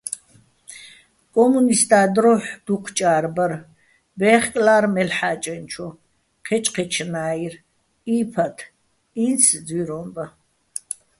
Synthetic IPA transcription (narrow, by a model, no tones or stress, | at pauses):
kʼɔmunist̪ʼaːd̪ɾɔħd̪̥uqʰt͡ʃʼaːɾbər | bɛːχkʼlaːɾmɛlħaːt͡ʃʼɛnt͡ʃʰɔ | qʰɛt͡ʃʼqʰɛt͡ʃʰnaːir | iːpʰat̪ʰ | insʰd͡zwiɾɔmba